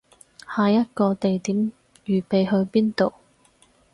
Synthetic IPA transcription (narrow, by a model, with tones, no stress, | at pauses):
haː˨jɐ˥t̚kɔː˧t̪e˨jt̪iː˨˥m | jyː˨pe˨jɦɵ˧ɥpiː˥nt̪o˨w